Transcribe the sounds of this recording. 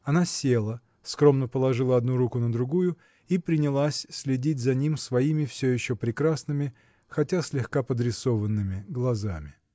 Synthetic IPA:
ɐnasʲelˠə | skɾo̞mnəpəlˠɐʐɨlˠəɐd̪nuɾukʊnəd̪ɾʊɡujʊ | ipɾʲɪnʲɪlˠasʲsʲlʲɪdʲitʲzɐnʲimsvɐimʲɪfsʲɵjɪɕːopɾʲɪkɾasnɨmʲɪ | xɐtʲasʲlʲɪxkapəd̪ɾʲɪso̞vənːɨmʲɪɡlˠɐzamʲɪ

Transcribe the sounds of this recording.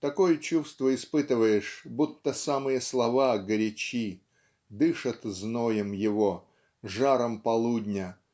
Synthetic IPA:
t̪ɐkojət͡ɕust̪vəɪspɨt̪ɨvəjɪʂbut̪ːəsamɨjəslˠɐvaɡəɾʲɪt͡ɕi | d̪ɨʂət̪znojəmjɪvo | ʐaɾəmpɐlˠudʲnʲə

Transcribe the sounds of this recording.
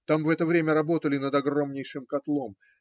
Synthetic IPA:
t̪amvɛt̪əvɾʲemʲəɾɐbo̞t̪əlʲɪnəd̪ɐɡro̞mnʲɪjʂɨmkɐt̪lˠo̞m

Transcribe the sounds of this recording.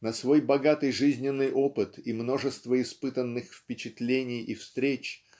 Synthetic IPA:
nɐsvo̞jbɐɡat̪ɨjʐɨzʲnʲɪnːɨjʔo̞pɨt̪imno̞ʐɨst̪vəɪspɨt̪ənːɨxfpʲɪt͡ɕɪt̪lʲenʲɪjifst̪ɾʲet͡ɕ

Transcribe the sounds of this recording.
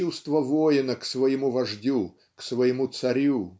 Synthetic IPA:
ust̪vəvojɪnəksvɐjɪmuvɐʐdʲu | ksvəjɪmut̪sɐɾʲu

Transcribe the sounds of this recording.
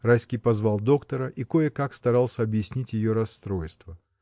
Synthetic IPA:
rajskʲɪjpɐzvalˠd̪o̞kt̪əɾəʔiko̞jəkakst̪ɐɾalˠsʲəɐbjɪsʲnʲitʲjɪjo̞ɾɐst̪ɾo̞jst̪və

